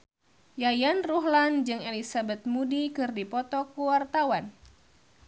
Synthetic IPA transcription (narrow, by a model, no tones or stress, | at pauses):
jajanruɦland͡ʒɨŋelisabɛt̪̚mudikɨrdipɔt̪ɔkuwart̪awan